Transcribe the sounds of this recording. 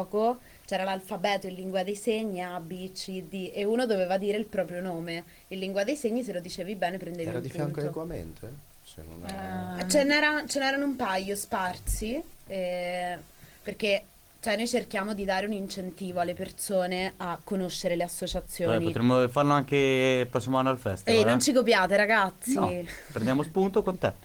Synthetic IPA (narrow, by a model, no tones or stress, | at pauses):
ɔko | t͡ʃɛːɾalalfabɛːt̪oilːiŋɡwad̪ejseɲːiabit͡ʃːid̪iʔeuːnod̪oveːvad̪iːɾeilpɾɔːpɾjonoːme | ilːiŋɡwad̪ejseɲːis̬elod̪it͡ʃeːvibɛːnepɾend̪eviɾikfjanktokamḛnt̪oɛ | t͡ʃḛno̰nt͡ʃenɛːɾat͡ʃenɛːɾanoumpajospart̪siɛ | perke | t͡ʃoɛnojt͡ʃerkjaːmod̪id̪aːɾeunint͡ʃent̪iːvoalːepersoːneakːonoʃːeɾeleasːot͡ʃat̪sːjoːɛnipoɾemːofarloaŋkepɾɔsimoanːoalfɛst̪ɛalnont͡ʃikopjaːt̪eɾaɡat̪sːipɾend̪jamospunt̪okont̪e